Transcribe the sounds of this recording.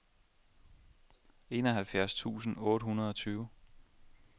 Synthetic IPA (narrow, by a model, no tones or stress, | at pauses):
e̝̰ːnɒɦælfjæɐst͡sʰṵːsn̩ɔ̽ːɾ̥ɦunɐð̞ˠɒ̽t͡sʰyːʊ